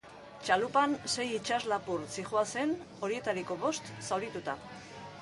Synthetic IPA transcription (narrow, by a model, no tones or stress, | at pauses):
t͡ʃalupanse̞jit͡ʃazlapuɾt͡siʝuase̞n | o̞ɾie̞t̪aɾiko̞βo̞st̪sawɾit̪ut̪a